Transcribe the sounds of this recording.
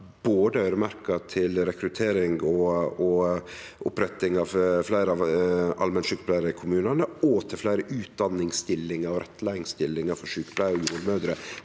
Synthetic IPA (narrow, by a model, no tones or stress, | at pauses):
b̥oːd̪əœʏɾəmæɾkɑt̪ʰɪlɾɛkɾʉt̪ʰeːɾɪŋɡɔɔ | ʔʊ̰pɾɛt̪ːɪŋɑʋflæɪɾəɑʋɑ̰lmɛnʂʉːkəbʰlæɪɾəɪkʰʊmʉːnɑnəɔt̪ʰɪlflæɪɾəʔʉːt̪̚d̪ɑnːɪŋst̪ɪlːɪŋəɾɔɾʔɛt̪ːlæɪɪŋst̪ɪlːɪŋɑɾfɔɾʂʉːkəbʰlæɪɾɔjuːɾmœd̪ɾə